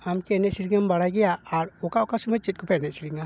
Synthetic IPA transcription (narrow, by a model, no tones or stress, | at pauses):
amkiɛnɛʔsiɾiŋambaɽajɡɛjaaɾɔkaɔkasumat͡ʃit̪̚kɔpʰɛnɛsiɾiŋa